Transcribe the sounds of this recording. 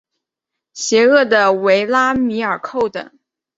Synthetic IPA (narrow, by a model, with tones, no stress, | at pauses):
ɕjɛ˧˥ɤ˥˩d̪ə˩we˧˥ɪla˥mi˧˥ə˞˨˩kʰo˥˩ʊt̪ə̰˨˩˦ŋ